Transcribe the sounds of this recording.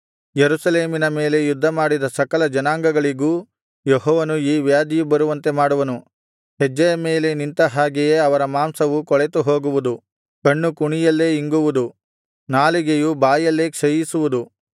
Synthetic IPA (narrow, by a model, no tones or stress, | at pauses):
jeɾusɐle̞ːminɐme̞ːle̞jud̪ʱːɐmaːɽid̪ɐsɐkɐlɐd͡ʒɐnaːŋɡɐɡɐɭiɡuː | jeɦɔːʋɐnuiːʋjaːd̪ijubɐɾuʋɐnt̪e̞maːɽuʋɐnu | hɛd͡ʒːɐjɐme̞ːle̞nint̪ɐɦaːɡejeːɐʋɐɾɐmaːmsɐʋukɔɭet̪uɦoːɡuʋud̪u | kɐɳːukuɳijɐlːe̞ːiŋɡuʋud̪u | naːliɡejubaːjɐlːe̞ːkʂɐjisuʋud̪u